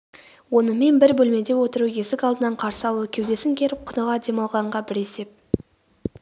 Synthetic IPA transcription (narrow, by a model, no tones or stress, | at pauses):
wo̞nəme̞nbɪɾbɵlme̞d̪e̞wo̞t̪əɾujesɪkɑlˠd̪ənɑɴqʰɑɾsəɑlˠukʲʰewd̪e̞sɪŋkʲʰe̞ɾɪp̚qʰʊnəʁɑd̪e̞mɑlˠʁɑɴʁɑbɪɾe̞se̞p̚